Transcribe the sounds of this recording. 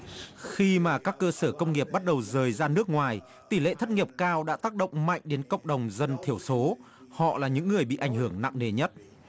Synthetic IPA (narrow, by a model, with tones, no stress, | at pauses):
xi˧maː˨˩kaː˦˥kːəː˧səː˧˩kə˧wŋ͡mŋi˨˩əp̚ɓa˦˥t̚ɗə˨˩wzəː˨˩jzaː˧nɨ˦˥ək̚ŋwaː˨˩j | t̪i˧˩lḛ˧˨t̪ʰə˦˥t̚ŋi˨˩əp̚kaː˧wɗa̰ː˧˥t̪aː˦˥k̚ɗə̰˧˨wŋ͡mma̰˧˨jŋ̟ɗe˨˦nkə̰˧˨wŋ͡mɗə˨˩wŋ͡mzə˧nt̪ʰi˧˩əwso˨˦ | hɔ̰˧˨laː˨˩ɲɨ̰˧˥ŋːɨ˨˩əjɓḭ˧˨ʔa˧˩jŋ̟hɨ˧˩əŋna̰˧˨ŋne˨˩ɲə˦˥t̚